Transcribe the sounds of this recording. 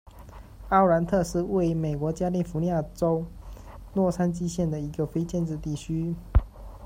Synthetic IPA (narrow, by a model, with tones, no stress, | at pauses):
ɑ˥˩ʊla˧˥nt̪ʰɤ˥˧ʂɻ̩˥˧we˥˩ɪme˨˩ɪkwɔ˧˥t͡ɕja˥li˥˩fu˧˥ni˧ja˥˩ʈ͡ʂo˥ʊ | nwɔ˥˩sʰa˥nt͡ɕi˥ɕjɛ˥˩nd̪ə˩i˧˥ɡə˧fe˥ɪt͡ɕjɛ˥˧nʈ͡ʂɻ̩˥˧t̪i˥˩t͡ɕʰy˥